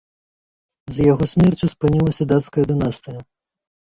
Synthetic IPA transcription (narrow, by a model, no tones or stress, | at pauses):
zʲjaɣɔsʲmʲɛrt͡ʃʲuspɨnʲilˠɐsʲɐd̪at̪skɐjɐd̪ɨnast̪ɨjɐ